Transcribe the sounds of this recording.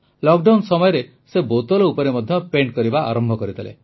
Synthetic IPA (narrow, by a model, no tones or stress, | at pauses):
lɔkɖansɔmɔjɔɾe | sebowt̪ɔlɔupɔɾemɔd̪ʱjɔpeɳʈkɔɾibaʔa̰ɾɔmbʱɔkɔɾit̪ʰilḛ